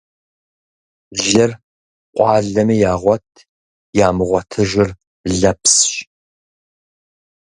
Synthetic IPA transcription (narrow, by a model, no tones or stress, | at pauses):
ɮɨr | qʷʼɑːɮɐmɨjaːʁʷɔtʰ | jaːmɨʁʷɔtʰɨʒɪr | ɮɐpʰsɕ